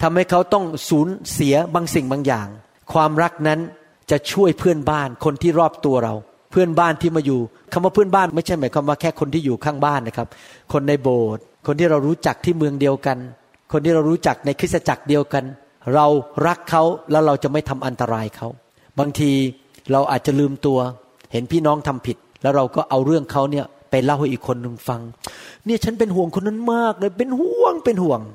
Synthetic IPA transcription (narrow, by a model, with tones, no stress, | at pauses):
t̪ʰa˧mha˥˩jkʰa˦˥wt̪ɔ˥˩ŋsuː˩˦nsi˨˩˦ɐbaː˧ŋsi˨˩ŋbaː˧ŋjaː˨˩ŋ | kʰwaː˧mɾa˦˥k̚na˦˥n | t͡ɕa˨˩t͡ɕʰu˥˩əjpʰɯ˥˩ənbaː˥˩nkʰo˧nt̪ʰiː˥˩ɾɔː˥˩p̚t̪u˧ɐɾa˧w | pʰɯ˥˩ənbaː˥˩nt̪ʰiː˥˩maː˧juː˨˩ | kʰa˧mwaː˥˩pʰɯ˥ənbaː˥˩nma˥˩jt͡ɕʰa˥˩jmaː˩˦jkʰaː˧mwaː˥˩kʰɛː˥˩kʰo˧nt̪ʰiː˥˩juː˨˩kʰaː˥˩ŋbaː˥˩nːa˦˥˩kʰa˦˥p̚kʰo˧nːa˧jboː˨˩t̪̚kʰo˧nt̪ʰiː˥˩ɾa˧wɾuː˦˥t͡ɕa˨˩k̚t̪ʰiː˥˩mɯ˧əŋdi˧əwka˧n | kʰo˧nt̪iː˥˩ɾa˧wɾuː˦˥t͡ɕa˨˩k̚na˧jkʰɯ˦˥t̪̚sa˧t͡ɕa˨˩k̚di˧əwka˧n | ɾa˧wɾa˦˥kʰːa˦˥wlɛː˦˥wɾa˧wt͡ɕa˨˩ma˥˩jt̪ʰa˧mʔa˧nt̪a˧ɾaː˧jkʰa˦˥w | baː˧ŋt̪ʰiː˧ | ɾa˧wʔaː˨˩t̪̚t͡ɕa˨˩lɯː˧mt̪u˧ɐ | he˩˦npʰiː˥˩nɔː˦˥ŋt̪ʰa˧mpʰi˨˩t̪̚lɛː˦˥wɾa˧wkɔː˥˩ʔa˧wɾɯ˥˩əŋkʰa˦˥wni˥˩ɐ | pa˧jla˦˥˩wha˥˩jʔiː˨˩kʰːo˧nːɯ˨˩ŋfa˧ŋni˥˩ɐt͡ɕʰa˦˥npe˧nɦu˨˩˦əŋkʰo˧nːa˦˥˩nmaː˥˩k̚lɤː˧jpe˧nhu˨˩əŋpe˧nhu˨˩˦əŋ